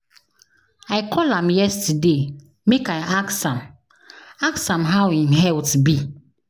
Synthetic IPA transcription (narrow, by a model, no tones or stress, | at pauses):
aɪkʰɔlãmjɛstəde | mekaɪʔaksãm | aksãmɦawimɦɛltbi